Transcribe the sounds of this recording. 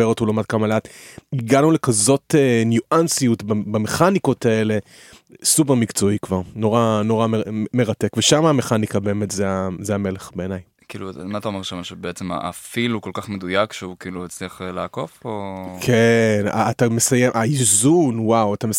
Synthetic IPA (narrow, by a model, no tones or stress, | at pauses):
eʁotulomad̚kamaleatiɡanule̞kazo̞tenjuʔansijutbabame̞χaniko̞tae̞le̞ | sup̬e̞ʁmikt͡so̞ikvaʁno̞ʁano̞ʁamemeʁatekveʃamaːme̞χanikabe̞ːmetzeazeame̞leχbe̞ːnaj | kiːlumataomeʁʃamaʃebeet͡sema̰ʔa̰filuko̞lkaχmed̪ujakʃeukiːluet͡sliaχleːko̞fokʰena̰ːtame̞sajemʔaizunwawatame